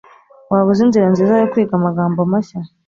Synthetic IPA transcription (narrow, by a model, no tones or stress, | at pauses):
waβuzinziɾanziːzajokuɾiːkamaɡaːmbomaɕa